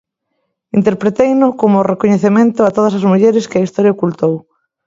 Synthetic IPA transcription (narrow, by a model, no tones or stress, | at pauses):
int̪eɾpɾet̪ejnʊkomʊrekoɲeθemẽnt̪ʊat̪oð̞ɐsɐzmuʎeɾɪskɪɐist̪ɔɾjaokult̪ow